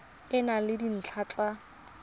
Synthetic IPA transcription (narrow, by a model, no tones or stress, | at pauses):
ɪnalɪdin̩t͡ɬʰat͡ɬʼa